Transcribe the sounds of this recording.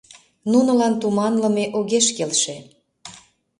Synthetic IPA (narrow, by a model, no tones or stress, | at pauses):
nunɤ̆lɑnt̪umɑnlɤ̆meʔoɣeʃkelʃe